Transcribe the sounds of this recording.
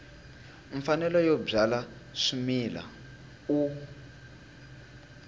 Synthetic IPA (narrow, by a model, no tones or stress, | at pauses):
ɱfanɛlɔjɔb͡ʐala | ʂumila̰ | u